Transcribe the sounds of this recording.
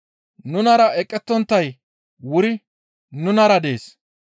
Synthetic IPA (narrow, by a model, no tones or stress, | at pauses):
nʊnɐɾɐʔɛkʼːɛt̪ːɔnt̪ːɐj | wʊɾɪ | nʊnɐɾɐd̪e̞ːs